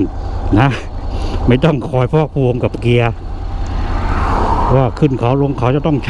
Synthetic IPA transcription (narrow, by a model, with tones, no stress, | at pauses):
nna˦˥ | ma˥˩jt̪ɔ˥˩ŋkʰɔː˧jpʰɔː˥˩k̚pʰuː˧ŋka˨˩p̚ki˧ɐ˧˥ | waː˥˩kʰɯ˥˩nkʰaː˩˦wlo˧ŋkʰa˨˩˦wt͡ɕa˨˩t̪ɔ˥˩ŋt͡ɕʰ